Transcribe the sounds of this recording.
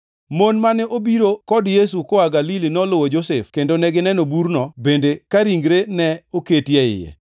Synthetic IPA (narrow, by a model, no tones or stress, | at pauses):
monmanɛʔobiɾokɔdjes̬ukoaɡalilinɔlʊwod͡ʒosɛfkendonɛɡɪnɛnobuɾnɔbendekaɾiŋɡɾenɛoketjɛɪ̰jɛ̰